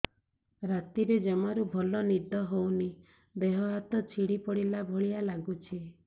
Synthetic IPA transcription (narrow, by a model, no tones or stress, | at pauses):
ɾat̪iɾed͡ʒɔmaɾubʱɔlɔnid̪ɔɦowni | beɦɔɦat̪ɔt͡ʃʰiɽipɔɽilabʱoɭijalaɡut͡ʃʰi